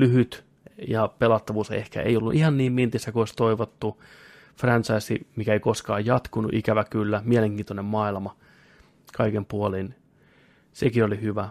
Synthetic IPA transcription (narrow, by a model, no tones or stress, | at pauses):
lyhyt̪ | jɑpelɑt̪ːɑʋuːsḛhkæ̰ḛiolːṵʔihɑnniːmmint̪isːækuoˑisʲt̪oiʋot̪ːu | frɑnʲt͡ʃɑisimikæeikoskɑːjjɑt̪kunṵʔikæʋækylːæmieleŋkiːnt̪onemmɑːilmɑ | kɑikempuolin | sekiolihyʋæ